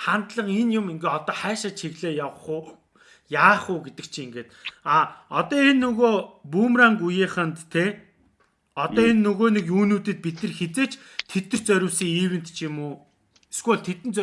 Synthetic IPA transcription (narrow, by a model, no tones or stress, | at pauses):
χant̪ɮə̆qenjʊmiŋɡeːɔt̪ɔːχæːʃăːt͡ɕʰxiɣɮeːjawχ | jaːχʊːɡet̪ɘ̆k̚t͡ɕʰiːŋɡeːt̪aɔt̪ɔːenːɵɣoːpuːmraŋɡujiːχə̆nt̪ʰːeː | ɔt̪ɔːenːɵɣoːnekuːnuːt̪ɘ̆t̪̚pit̪ɘ̆rxet͡seːt͡ɕ | t̪ʰet̪nɘ̆r̥t͡sœɾʲʊ̆wsiːŋiːwɘ̆nt̪t͡ɕʰimʊː | sɡuɮt̪ʰet̪ɘ̆nt͡sœ